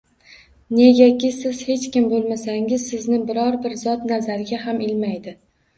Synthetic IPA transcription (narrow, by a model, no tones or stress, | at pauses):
ne̞ɡʲakʲɪsɪz̥he̞t͡ʃkʲɪmbolˠmasaŋɪzsɪznɪbɪɾɒɾbɪɾzɒt̪nazaɾɡʲaɦamɪlmajd̪ɪ